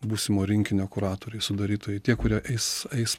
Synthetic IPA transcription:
buːsʲɪmoːɾʲɪŋʲkʲɪnʲoːkʊɾɑːt̪oːɾʲɛɪsʊd̪ɐɾʲiːt̪oːjɛɪt̪ʲiɛkʊɾʲiɛʔɛɪsɛɪs

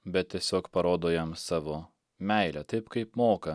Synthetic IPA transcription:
bʲɛt̪̚t̪ʲiɛsʲoːkpɐɾoːd̪oːjɛmsɑːʋoː | mʲɛˑɪlʲɛt̪ɐɪpkɐɪpmoːkɐ

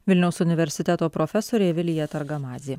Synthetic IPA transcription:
ʋʲɪlʲnʲɛʊsʊnʲɪʋʲɛɾʲsʲɪt̪ʲɛt̪oːpɾɔfʲɛsoːɾʲeːʋʲɪlʲɪjɛt̪ɐɾɡɐmɑːzʲiː

